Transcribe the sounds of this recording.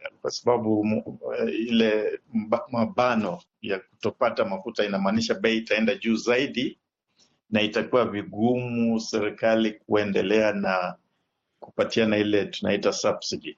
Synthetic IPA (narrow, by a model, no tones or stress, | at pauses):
kwasabaɓu | ilɛ | maɓanɔ | jaku̥tɔpatamafutainamaːniʃaɓɛiːtaɛndaʄuːzaiɗi | naitakuwaviɡumusɛɾikalik̚uɛndɛlɛana | kupatianailɛtunaitasabsidi